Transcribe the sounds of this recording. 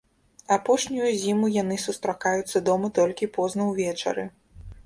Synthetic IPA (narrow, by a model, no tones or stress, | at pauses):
apɔʂnʲujuzʲimujanɨsust̪ɾakajut̪sːɐd̪ɔmɐt̪ɔlʲkʲipɔznɐwvʲɛt͡ʂɐ̰ɾɨ